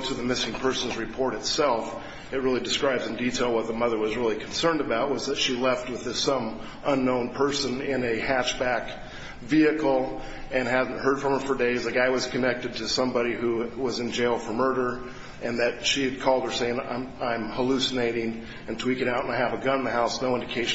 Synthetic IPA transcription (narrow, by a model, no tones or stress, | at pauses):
tʰɨðɨmɪsɪ̃ŋpʰɜ˞sn̩zɹɨpʰɔɹɾɨtsɛlˠf | ɨt̚ɹɪlˠidɨskɹaɪbzɨ̃n̩ditʰeɪlˠwʌt̪̚ðəmʌðə˞wʌzɹɪlˠikʰn̩sɜ̃˞ndɨbaʊt̚wʌzðɨtʃilɛft̚wɨðɪsʌ̃m | ʔʌ̃nːõʊ̃npʰɜ˞sɨ̃nɪ̃nɨhæt͡ʃb̥æk | viɨkl̩ˠ | ɨ̃nɦæzⁿn̩thɜ˞d̥fɹʌ̃mə˞fə˞deɪzaɡaɪwʌz̥kʰɨnɛk̚tɨd̚tʰɨsʌ̃mbɑɾihuwʌzɨ̃nd͡ʒeɪlˠfə˞mɜ˞ɾə˞ | ʔɨ̃nðɨt̚ʃiɨd̚kʰɔlˠd̚ə˞seɪɪ̃ŋ̰ãɪ̃mhəlʉsɨneɪɾɪ̃ŋ | ɨ̃ntʰwikɨɾaʊɾə̃naɪɨvəɡʌ̃ñn̩ðɨɦaʊsnoʊɪ̃ndɨkʰeɪʃ